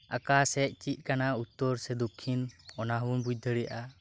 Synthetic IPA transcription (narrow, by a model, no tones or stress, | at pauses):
ʔa̰kasɛʔ̚t͡ʃit̪̚ˀkanaut̪ːɔɾsɛd̪ukʰːinɔnaɦwunbuc̚d̪ʱəɽija̰ʔa